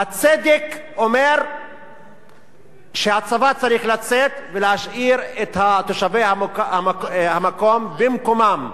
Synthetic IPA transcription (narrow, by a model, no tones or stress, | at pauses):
hat͡sed̪ek | o̞meʁ | ʃehat͡savat͡saʁiχlat͡set̪velehaʃʔiʁet̪hat̪o̞ʃavejahamhamako̞mbemkomam